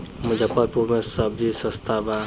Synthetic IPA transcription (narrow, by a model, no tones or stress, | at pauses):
məd͡ʒʱapəɾpuɾmesəb̚d͡ʒisə̃st̪ʰaba